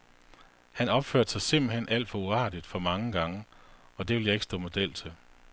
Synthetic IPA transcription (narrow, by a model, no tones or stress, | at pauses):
hænɒ̽b̥føɐd̥sɑ̈ɪse̝m̰b̥l̩ɦen̰ʔæl̰d̥fɒ̽uɑ̈ːd̥id̥fɒ̽mɑ̈ŋəɡ̥ɑ̈ŋəɒ̽d̥e̝ʋe̝ljɑ̈e̝ɡ̥sd̥ɔ̰ːmo̝d̥el̰t͡sʰe̝l